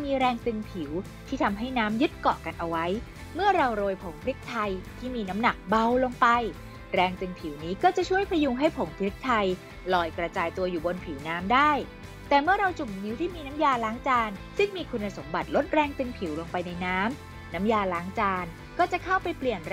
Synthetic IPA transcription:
miː˧ɾɛː˧ŋt̪ɯ˧ŋpʰi˩˦w | t̪ʰiː˥˩t̪ʰa˧mɦa˥˩jnaː˦˥mjɯ˦˥t̪̚kɔ̰˨˩ka˧nʔa˧wa˦˥j | mɯ˥˩ɐɾa˧wɾoː˧jpʰo˩˦ŋpʰɾi˦˥k̚t̪ʰa˧jt̪ʰiː˥˩miː˧na˦˥mna˨˩k̚ba˧wlo˧ŋpa˧j | ɾɛː˧ŋt̪ɯ˧ŋpʰiː˩˦wniː˦˥kɔː˥˩t͡ɕa˨˩t͡ɕʰu˥˩əjpʰa˧ju˧ŋɦa˥˩jpʰo˩˦ŋpʰɾi˦˥k̚t̪ʰa˧j | lɔː˨˧jkɾa˧t͡ɕaː˧jt̪u˧ɐjuː˨˩bo˧npʰiː˩˦wnaː˦˥mdaː˥˩j | t̪ɛː˨˩mɯ˥˩ɐɾa˧wt͡ɕu˨˩m̚ni˦˥wt̪ʰiː˥˩miː˧na˦˥mjaː˧laː˦˥ŋt͡ɕaː˧nsɯ˥˩ŋmiː˧kʰu˧nːa˧so˩˦mba˨˩t̪̚lo˦˥t̪̚ɾɛː˧ŋt̪ɯ˧ŋpʰi˨˩˦wlo˧ŋpa˧jna˧jnaː˦˥m | na˦˥mjaː˧laː˦˥ŋt͡ɕaː˧n | kɔː˥˩t͡ɕa˨˩kʰa˥˩wpa˧jpli˨˩ən

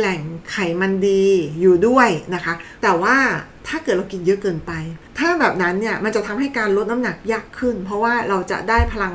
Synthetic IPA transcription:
lɛ˨˩ŋkʰa˨˩jma˧ndiː˧juː˨˩du˥˩əjna˦˥kʰa˦˥t̪ɛː˨˩waː˥˩t̪ʰaː˥˩kɤ˨˩t̪̚ɾa˧wki˧njɤ˦˥ʔkɤː˧npa˧jt̪ʰaː˥˩bɛː˨˩p̚na˦˥nːi˥˩ɐma˧nt͡ɕa˨˩ʔt̪ʰa˧mɦa˥˩jkaː˧nɾo˦˥na˦˥mna˨˩k̚jaː˥˩kʰːɯ˥˩npʰɾɔ˦˥waː˥˩ɾa˧wt͡ɕa̰˨˩ʔdaː˥˩jpʰa˧la˧ŋ

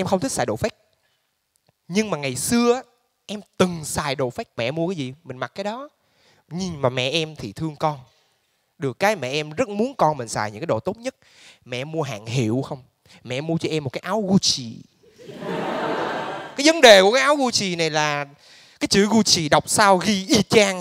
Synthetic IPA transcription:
ʔɛ˧mxə˧wt̪ʰi˦˥k̚saː˧˩jɗo̰˧˨˩fa˦˥k̚ | ɲɨ˧ŋmaː˨˩ŋa˨˩jsɨ˧əʔaː˦ | ʔɛ˧mt̪ɨ˨˩ŋsaː˨˩jɗo̰˧˨fa˦˥k̚mɛ̰˧˨˧mu˧əkaː˨˦jzḭ˨˩mï˨˩ŋ̟ma˨˩k̚kaː˨˦jɗɔ˨˦ | ɲi˨˩ŋmaː˨˩mɛ̰˧˨ʔɛ˧mt̪ʰi˨˩t̪ʰɨ˧əŋkɔ˧n | ɗɨ˨˩əkːaː˨˦jmɛ̰˧˨ʔɛ˧mzə˦˥t̚mu˨˦ənkɔ˧nm̟˨˩saː˨˩jɲɨ̰˧˥kaː˨˦jɗo̰˧˨t̪o˦˥t̚ɲə˦˥t̚ | mɛ̰˧˨ʔmu˧əɦa̰ː˧˨ŋɦḭ˧˨əwxə˧wŋ͡m | mɛ̰˧˨˧mːu˧ət͡ɕɔ˧ʔɛ˧m̚ː˨˩kaː˦jʔaː˨˦wɣu˧t͡ɕḭ˧˨ | kaː˨˦jvə˨˦nɗe˨˩ku˧˩əkaː˨˦jʔaː˨˦wɣu˧t͡ɕḭ˨na˨˩jlaː˨˩ | kaː˨˦jt͡ɕɨ̰˧˦ɣu˧t͡ɕḭ˧˨ɗə˨˩wk͡p̚saː˧wɣi˧ʔi˧t͡ɕaː˧ŋ

